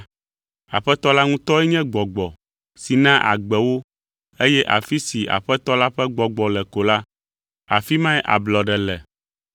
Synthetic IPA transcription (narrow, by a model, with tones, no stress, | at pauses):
a˨ɸɛ˦t̪ɔ˦la˦ŋũ˦t̪ɔ˦ɛ˦ɲɛ̃˦ɡ͡bɔ˨ɡ͡bɔ˨ | si˨nã˦ʔa̰˨ɡ͡bɛ˨wo˦ | e˦jɛ˦ʔa̰˨fi˦si˨a̰˨ɸɛ˦t̪ɔ˦la˦ɸɛ˦ɡ͡bɔ˨ɡ͡bɔ˨lɛ˨ko˨la˦ | a˨fi˦mã˦ɛ˦ʔa̰˨blɔ˨ɖɛ˨lɛ˨